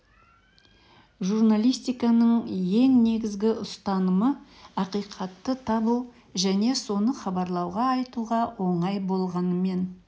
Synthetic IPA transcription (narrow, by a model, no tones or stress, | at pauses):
ʒurnalʲˠijst̪ijkɑnəɴje̞ŋne̞ɡʲɪzɡʲɪʔʊst̪ɑnəmə | ɑqijqʰɑt̪ːət̪ʰɑbəw | ʒæne̞so̞nəχɑbɑɾlˠɑwʁɑɑjt̪uʁɑwʔo̞ɴɑjbo̞lˠʁɑnəme̞n